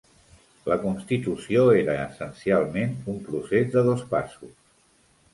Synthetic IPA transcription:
ləkunst̪it̪usioeɾəːsənsialˠmenumpɾusezd̪əðospa̰sus

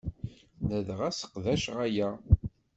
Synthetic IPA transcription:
nəðʁæsə̥qðæʃʁæjæ

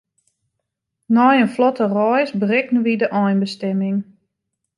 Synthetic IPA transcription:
nɔjənflɔtərɔjsbərɪknəʋidəʔɔjnbəstɛmɪŋ

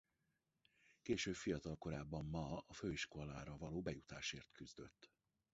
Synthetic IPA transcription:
keːʃøːbfijɒt̪ɒlko̞ɾaːbːɒmːɒɒføːiʃko̞la̰ːɾɒvɒloːbɛjut̪a̰ːʃeːrt̪kyzd̪ø̞̰t̪ː

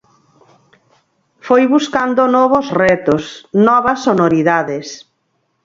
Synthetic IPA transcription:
fojβuskand̪onɔβosrɛt̪osnɔβɐsːonoɾiðaðɪs

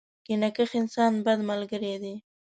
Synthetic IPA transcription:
kɪnakəxɪnsɑnbad̪malɡəɾed̪i

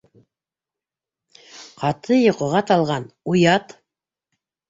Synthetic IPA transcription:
qʰɑt̪ʰɤjŏqŏʁɑt̪ɑlˠʁɑnujɑt̪

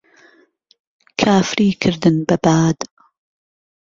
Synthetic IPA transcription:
kʰaːfɾiːkʰɨɾd̪ɨnbɐbaːd̪

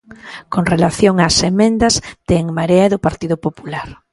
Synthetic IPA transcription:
koŋrelaθjoŋasemẽnd̪ɐzt̪eŋmaɾeaeðʊpaɾt̪iðʊpopulaɾ

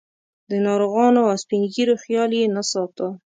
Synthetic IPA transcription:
d̪ənɑɾoɣɑnoaspiŋɡiɾoxjɑljenasɑt̪a

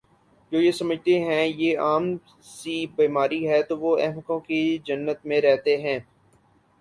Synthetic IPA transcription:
d͡ʒoːjesɐməd͡ʒʱt̪eɦɛ̃jeːaːm | sibiːmaːɾiɦɛt̪oʋoɛɦməkõkid͡ʒɐnːət̪mẽɾɛɦt̪eɦɛ̃ː

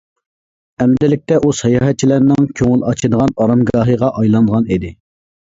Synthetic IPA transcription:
ɛmd̪ɪlɪk̚ʲt̪ɛʔusɑjɑːɦɛt̪̚t͡ʃʰilæɾnɪŋkʲʰøŋɪlˠɑt͡ʃʰɨd̪əʁɑnɑɾɑmɡɑːɦɨʁɑʔɑjlˠɑnd̪əʁɑnid̪ɪ

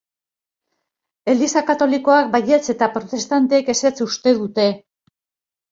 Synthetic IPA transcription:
e̞ld̪isakat̪o̞liko̞ak̚baje̞t͡se̞t̪apɾo̞t̪e̞st̪ant̪e̞ːke̞set͡sust̪e̞ðut̪e̞

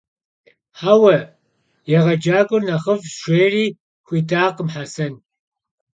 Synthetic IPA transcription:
ħawɐ | jɛʁɐd͡ʒaːɡʷʊrnɐχəvʃʷeːriː | xʷiːdʰaːqəmħasɐn

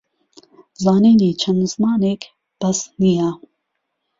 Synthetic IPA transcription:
zaːniːniːt͡ɕʰɐnzmaːnek | pɐsnijaː

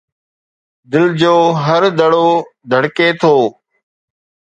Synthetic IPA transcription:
d̪ɪld͡ʒoːɦəɾd̪əɽoːd̪ʱəɽkeːt̪ʰoː

